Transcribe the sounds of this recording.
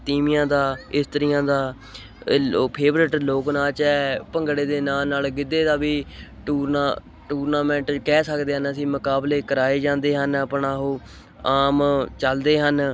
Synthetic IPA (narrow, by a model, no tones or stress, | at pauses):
t̪iːmɪjãːd̪aːɪst̪əɾɪjãːd̪aː | pʰeːbɾɪʈloːknaːt͡ʃɛːpəŋɡɽeːd̪eːnaːnːaːlɡɪd̪eːd̪aːbiːʈuːɾnaː | ʈuːɾnaːmɛ̃ːɳʈkɛːsəkd̪eːɦənəsĩːmʊkaːbleːkəɾaːeːd͡ʒãːnd̪eːɦənaːpɳaːɦoː | aːmt͡ʃəld̪eːɦən